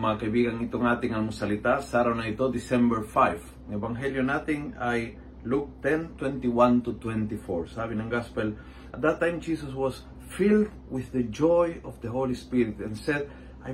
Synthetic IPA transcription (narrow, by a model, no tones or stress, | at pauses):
makajbiɡãŋit̪oŋat̪ĩŋalmusalit̪asaɾaonajt̪od̪isɛ̃mbəɹfajf | nevãŋɦeljõnat̪ĩŋaj | luk̚t̪ɛ̃nt̪wɛ̃nt̪iwãnt̪ut̪wɛ̃nt̪ifoɹsaβĩnãŋɡaspel | at̪̚d̪at̪ːãj̃md͡ʒisaswɔs | fild̪ | wɪððəd͡ʒojɔfðəholispiɾit̪ɛ̃nsɛd̪ | a